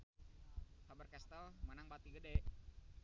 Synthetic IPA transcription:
habərkɛst̪əlmənaŋbat̪iɡədɛʔ

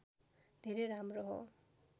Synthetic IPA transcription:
d̪ʱeɾeɾamɾɔɦɔ̰

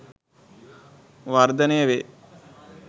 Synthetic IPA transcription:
ʋaɾd̪ɐnejɐʋe

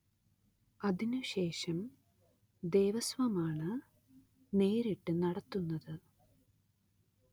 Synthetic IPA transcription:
ɐðinuɕe̞ːʂɐm | d̪eːʋɐsʋɐmaːɳɨ | ne̞ːɾiʈːɨnɐɽɐt̪ːunːɐðɨ

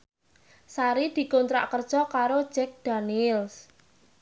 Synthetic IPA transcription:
saɾid̪̥i̤kɔnt̪ɾa̰ʔkərd̥ʒ̥ɔkaɾod̥d͡ʒ̥ɛk̚d̪̥anils

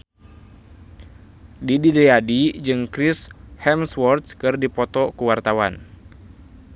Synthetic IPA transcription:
dididejadid͡ʒɨŋkɾishɛmswɔrt̪kɨrdipɔt̪ɔkuwart̪awan

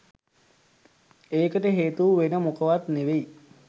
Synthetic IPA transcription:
eːkəʈəɦeːt̪uːʋenəmukəʋat̪neʋei

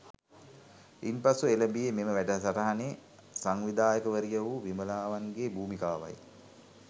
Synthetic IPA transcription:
impasueləbijememəʋæʈəɦsaɾɐɦaneː | saŋʋid̪aːjəkəʋəɾijəʋuʋiməlaːʋaŋɡebuːmikaːʋa̰j

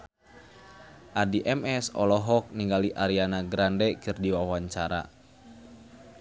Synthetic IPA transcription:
ʔadiʔɛmɛsɔ̰lɔɦɔk̚niŋɡaliʔaɾianaɡɾandɛkɨrdiwawaɲt͡ʃaɾa̰

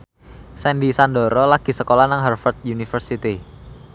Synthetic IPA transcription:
sɛndisandɔ̤ɾɔlaɡ̥i̤səkolanaŋɦɛrfərt̪̚junifərsit̪i

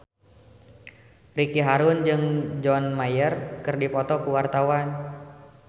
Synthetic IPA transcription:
rikiɦaɾʊnd͡ʒɨŋd͡ʒɔnmajərkɨrdipɔt̪ɔkuwart̪awan

